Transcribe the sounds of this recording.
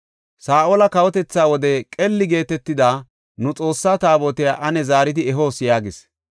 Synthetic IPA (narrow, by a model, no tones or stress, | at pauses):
saːʔoːlɐkɐwɔt̪ɛt͡sːaːwɔd̪ɛkʼɛlːɪɡe̞ːt̪ɛt̪ːɪd̪aː | nʊt͡sʼo̞ːsːaːt̪aːbot̪ɪjaːʔɐnɛzaːɾɪt̪ɪɛɦo̞ːsjaːɡɪs